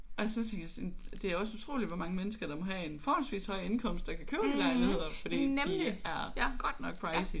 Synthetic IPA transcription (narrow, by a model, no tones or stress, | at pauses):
ʔɒ̽sɒ̽t͡sʰeŋɡ̥jæsd̥e̝æɐɒ̽sut͡sʰʁo̝̰ːlidʋɒ̽mɑ̈ŋəmenəsɡ̥ɐd̥ɑ̈mɒ̽ɦæe̝nfɒːhɒ̽nsʋḭːshɒ̽ɪ̰enkʰɒ̽m̰sd̥ɑ̈kʰækʰøːʊd̥enɡ̥æɪlhe̝ð̰ˠɐfɒd̥ḭːneliæɐɡ̥ɒ̽d̥nɒ̽ɡ̥̚pʰɹɑ̈ɪɪsi